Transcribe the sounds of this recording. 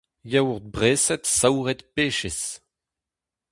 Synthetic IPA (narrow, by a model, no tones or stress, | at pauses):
jawʁd̪̚bʁeːsɛt̪sawʁɛt̪peːʃes